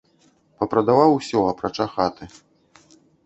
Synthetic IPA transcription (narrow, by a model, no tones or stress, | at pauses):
pɐpɾɐd̪avawusʲɔɐpɾat͡ʂaxat̪ɨ